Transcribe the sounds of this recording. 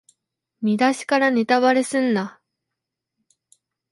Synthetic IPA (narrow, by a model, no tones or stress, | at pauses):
mʲid̪aɕi̥kaɾane̞t̪aβaɾe̞sɨ̃nːa